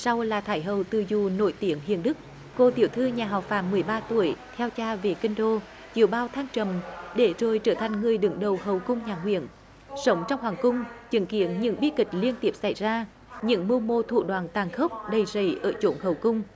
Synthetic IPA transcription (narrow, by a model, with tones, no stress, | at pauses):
sa˧wlaː˨˩t̪ʰaː˧˦jɦə˨wt̪ɨ˨˩zu˨˩no̰˧˥jt̪i˧˦əŋɦḭ˧˨ənɗɨ˦˥k̚ː | o˧t̪i˧˩əwt̪ʰɨ˧ɲaː˨˩ɦaɔ˨˩w̚fa̰ː˧˩˥mːɨ˨˩əjɓaː˧t̪u˧˩əjt̪ʰɛ˧wt͡ɕaː˧ve˨˩kï˧ŋ̟ɗo˧ | t͡ɕi˨˧˨əwɓaː˧wt̪ʰaː˧ŋt͡ɕə˨˩mɗe˧˩zo˨˩jt͡ɕəː˧˩t̪ʰa˨˩jŋ̟ŋɨ˨˩əjɗɨ˨˦ŋɗə˨˩whɦə˨˩wkʊ˧wŋ͡mɲaː˨˩ɦwḭ˧˨ən | sə˨˦wŋ͡mt͡ɕɔ˧wŋ͡mɦwaː˨˩ŋkʊ˧ŋ͡mt͡ɕɨ̰˧˦ŋkḭ˧˥ənɲɨ̰˧˥ŋɓi˦˥kï˨˩k̟̚li˧ənt̪i˨˦˥əp̚sa̰˧˩jzaː˧ | ɲɨ̰˧˥ŋmu˧mo˧t̪ʰṵ˧˨ɗwaː˧˩nt̪aː˨˩nxə˦˥k͡p̚ɗə˨˩jzə˧˩˦jʔəː˧˩t͡ɕo˧˨˦nhə˨˩wkʊ˧wŋ͡m